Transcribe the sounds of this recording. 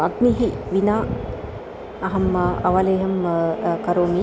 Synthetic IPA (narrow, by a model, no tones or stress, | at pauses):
aɡniɦiʋinaː | ɐɦɐmɐʋaleɦɐmkɐɾoːmi